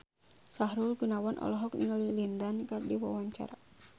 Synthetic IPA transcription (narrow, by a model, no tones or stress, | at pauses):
saɦɾulɡunawanʔɔ̰lɔɦɔkniŋalilindankardiwa̰waɲt͡ʃa̰ɾa